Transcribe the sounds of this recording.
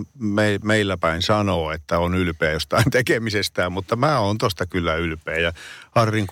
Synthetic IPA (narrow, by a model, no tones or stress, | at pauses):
meimeilːæpæinsɑnoːet̪ːæonylpeæjost̪ɑint̪ekemisest̪æːmmut̪ːɑmæːoːnt̪ost̪ɑkylːæylpˑeːjɑhɑrːiŋk